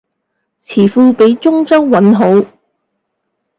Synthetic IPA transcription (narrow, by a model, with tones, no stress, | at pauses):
t͡sʰiː˨˩fuː˧pe˨˥jt͡sʊ˥ŋt͡sɐ˥wwɐ˨˥nɦo˨˥w